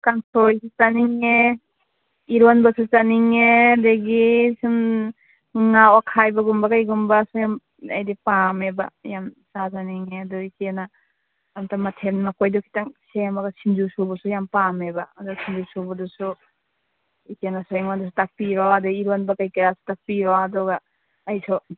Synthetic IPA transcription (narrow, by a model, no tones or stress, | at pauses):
kaŋsɔɾjsut͡ʃaniŋe | iɾɔnbasut͡ʃaniŋedeɡisɯn | ŋawakʰajbaɡumbakajɡumbasujam | a̰jdipameba̰jamsazaniŋeadɔikenaː | mtamatʰenmakɔjdɔkʰi̥taŋsemaɡasind͡ʒusɔbɔsujampamebaːdɔsind͡ʒusɔbadɔsu | ikenasɔjeŋmadɔs̬u̥tapiɾɔadɔiɾɔnbakajkajasu̥tapiɾɔadɔɡaː | jsɔ